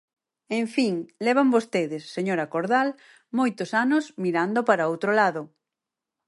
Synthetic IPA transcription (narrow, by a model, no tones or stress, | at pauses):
ẽɱfiŋlɛβ̞ambost̪eðɪsːeɲoɾakoɾðal | mojt̪osanʊsmiɾand̪opaɾaowt̪ɾolaðo